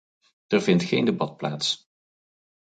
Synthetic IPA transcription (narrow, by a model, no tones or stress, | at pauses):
ərvɪntχejndebɑt̚plaːts